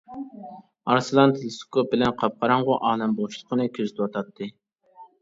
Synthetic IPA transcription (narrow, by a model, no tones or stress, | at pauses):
ɑɾsɨlˠɑnt̪ʰlɨsu̥kʰop̚bɪlɛnqʰɑp̚qʰɑɾɑɴʁʊʔɑːnɛmbolˠuʃlˠəqʰənɨkʲʰøzɪt̪ʰwɑt̪ʰɑt̪ʰːɨ